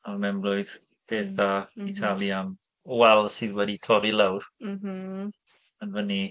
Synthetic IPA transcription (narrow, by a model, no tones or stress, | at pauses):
arəmɛmlˠʊɨð | b̥eːθðaːitʰalˠjam | wɛlˠsɨːðwɛditʰɔɾilˠawr | ənvəni